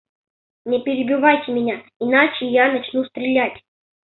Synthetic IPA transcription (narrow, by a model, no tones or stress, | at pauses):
nʲɪpʲɪɾʲɪbʲɪvajtʲɪmʲɪnʲaɪnat͡ɕɪjanɐt͡ɕnust̪ɾʲɪlʲatʲ